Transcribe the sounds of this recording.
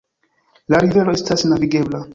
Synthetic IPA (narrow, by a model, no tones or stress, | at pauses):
laɾiveloestasnaviɡe̞bla